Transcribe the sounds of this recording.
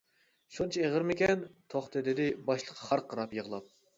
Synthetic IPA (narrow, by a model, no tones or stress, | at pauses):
ʃunt͡ʃʰɑeʁəɾmɪkʲɛnt̪ʰoχt̪ʰɨd̪ɪd̪ɪbɑʃlˠə̥qʰːɑ̥χɑɾqʰːəɾɑpjəʁlˠɑp̚